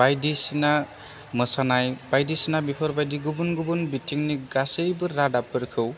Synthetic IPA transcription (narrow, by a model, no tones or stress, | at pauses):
bajdisina | məsanajbajdisinabipʰɔɾbajdiɡubunɡubunbitʰiŋniɡasejbɯɾːadapɯɾkʰɯw